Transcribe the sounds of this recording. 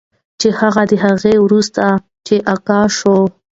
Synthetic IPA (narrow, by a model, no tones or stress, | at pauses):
t͡ʃehaɣad̪əɦaɣewɾust̪a | t͡ʃeʔakɑʃo